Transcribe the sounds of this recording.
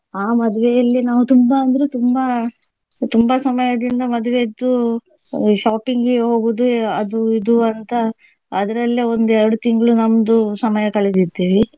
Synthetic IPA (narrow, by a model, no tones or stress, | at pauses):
aːmɐd̪uʋejɐlːinaːʋut̪umbɐɐnd̪ɐɾet̪umbɐ | t̪umbɐsɐmɐjɐd̪ind̪ɐmɐd̪uʋeid̪ːu | ʃaːpiŋɡeɦo̞ːɡud̪uɐd̪uid̪uɐnt̪ɐː | d̪ɐɾɐlːio̞nd̪uɛɾɐɽut̪iŋɡɐɭunɐmd̪usɐmɐjɐkɐɭed̪id̪iːʋi